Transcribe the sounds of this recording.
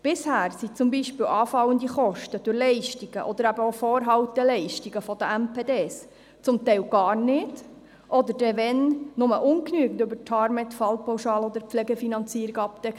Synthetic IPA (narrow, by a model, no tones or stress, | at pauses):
b̥ɪshæːɾsit͡sʊmbiʃpɪːlwʔɑːfɑwənd̪iχɔʃtəd̥ʊɾlɛɪʃtiɡ̥ə̰ʔɔd̪əɾæbəofɔːɾɦɑwtɛlɛɪʃtiɡəfɔd̥̪əæmpʰeːdeːs | t͡sʊmt̪ɛɪlɡɑːrnɪd̥ | ʔɔd̪əɾdɛʋɛnnːʊməʔʊnknyːəɡn̩døbəɾtʰɑɾmɛt̪fɑlpawʃɑːlɔd̪əɾpp͡flɛɡɛfinɑnt͡siːəɾiɡɑpd̥̪ɛk